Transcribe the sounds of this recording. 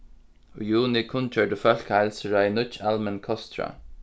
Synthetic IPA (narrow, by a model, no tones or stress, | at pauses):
ɔjuːnɪkʰʊnt͡ʃœːɹdəfœl̥ʲkaɪlsəɹajnʊt͡ʃalmɛnkʰɔst̪ɹa̰